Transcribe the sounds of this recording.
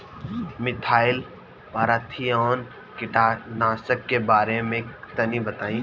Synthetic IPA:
mɪt̪ʰaːɪl | paːɾat̪ʰiɔːn | kɪʈaːnaːsəkːebaːɾemẽt̪ənibət̪aːĩː

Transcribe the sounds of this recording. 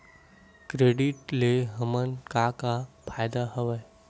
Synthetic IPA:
kɾeːɖɪʈleɦəmənkakapʰaːjd̪aɦəʋə

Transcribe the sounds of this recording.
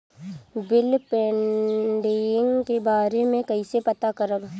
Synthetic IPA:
bɪlpɛːɖeɪ̃ŋɡkebaːɾemẽkɐisepɐt̪akɐɾəb

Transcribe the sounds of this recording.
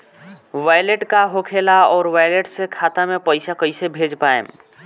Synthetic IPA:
ʋajleʈkaɦokʰelaɔːɾʋajleʈsekʰat̪amepəɪsakəɪsebʱed͡ʒpaḛm

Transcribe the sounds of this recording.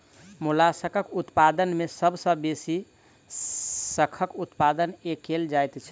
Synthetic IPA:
mulasəkʰəkut̪pad̪ənmesəbʱsə̃besi | səkʰəkut̪pad̪ənekeld͡ʒajt̪t͡ʃʰɛ

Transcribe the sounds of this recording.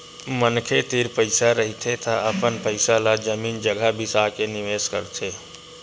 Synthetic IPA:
mənkʰet̪iɾpəɪsaɾəɦit̪ʰet̪aʔəpənpəɪsalad͡ʒəmiːnd͡ʒəɡʱabʱisakeniʋeːskə̰ɾt̪ʰe

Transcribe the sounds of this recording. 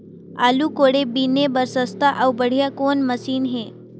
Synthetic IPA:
aluːkoɽebinebəɾsəst̪aʔawbəɽ̤jakonməsiːnɦe

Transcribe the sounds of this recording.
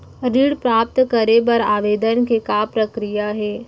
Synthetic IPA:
ɾiːɽpɾaːp̚t̪kəɾepɐɾaːʋeːd̪ənkekapɾɐkɾijaɦɛː

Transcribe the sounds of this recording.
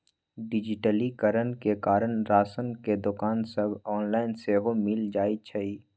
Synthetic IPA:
ɖɪd͡ʒɪʈəlikəɾənkekaːɾənɾaːsənked̪ʊkaːnsəbɔːnlaːɪnseɦomɪld͡ʒaːit͡ʃʰəiː

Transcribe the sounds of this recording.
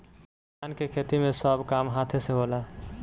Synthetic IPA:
aːnkekʰeːt̪imẽsəbkaːmɦaːt̪ʰeseɦoːla

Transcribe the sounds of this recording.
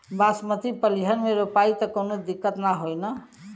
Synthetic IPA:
basmət̪ipəliɦənmeɾupait̪əkonod̪ikːət̪naɦojnə

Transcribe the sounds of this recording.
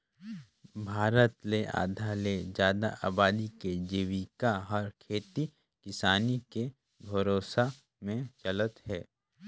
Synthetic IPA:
bʱaːɾət̪leʔa̰ːd̪ʱaled͡ʒjaːd̪a̰ʔaːbaːd̪iked͡ʒiʋikaɦɔɾkʰeːt̪i | kɪsaːnike | bʱɐɾoːsa | mẽt͡ʃələt̪ɦɛː

